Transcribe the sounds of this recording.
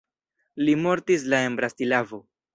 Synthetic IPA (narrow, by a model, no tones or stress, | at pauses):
limo̞ɾtis̬lae̞nbɾastilavo̞